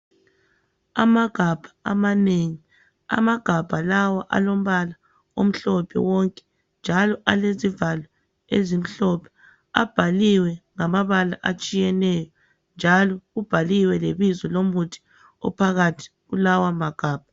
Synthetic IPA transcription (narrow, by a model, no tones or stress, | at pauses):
amaɡ̥ʱab̥ʱḁa̰maneŋi | a̰maɡ̥ʱab̥ʱalawaʔa̰lom̩βala | o̰m̩ɬɔpʰɛ̰wɔŋkʼɛ̥ | nd͡ʒʱalɔʔalezivalɔ | ezim̩ɬɔpʰɛ̥ | a̰b̥ʱaliwɛŋamaβala̰ʔat͡ʃʼijɛnɛjɔ | nd͡ʒʱalɔɣub̥ʱaliwɛleβizɔlomutʰi̥ | ɔ̰pʰaɣatʰi̥ɣulawamaɡ̥ʱaːb̥ʱa